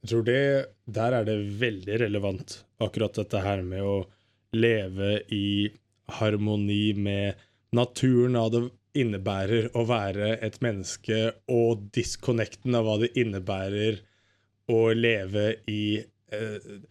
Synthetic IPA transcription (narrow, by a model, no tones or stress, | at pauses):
t̪ʰɾuːɖɛd̪æːɾæɖɛʋɛld̪ɪɾɛləʋɑnt̪ɑkːʉɾɑt̪̚d̪ɛt̪ːəɦæːɾmɛɔ | leːʋəʔɪ | hɑɾmʊniːmɛ | nɑt̪ʰʉːənɑd̪ɛ | ɪnːəbæːɾəɾɔʋæːɾəɛt̪mɛnːəskəɔd̪ɪskʰʊnɛkt̪n̩ɑʋʋɑːd̪ɛʔɪnːəbæːɾəɾ | ɔleːʋəɪ